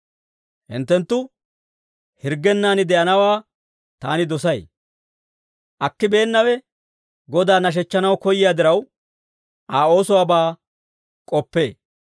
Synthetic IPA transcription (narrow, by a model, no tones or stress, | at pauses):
hɪ̰nt̪ːɛnt̪ːʊ | hɪɾɡːɛnːaːnɪd̪ɛʔɐnɐwaː | t̪aːnɪd̪ɔsɐj | ʔɐkːɪbe̞ːnːɐwɛ | ɡɔd̪aːnɐʃ̬ɛt͡ʃːɐnɐwkɔjɪjaːd̪ɪɾɐw | ʔaːo̞ːsɔwaːbaː | kʼɔpːe̞ː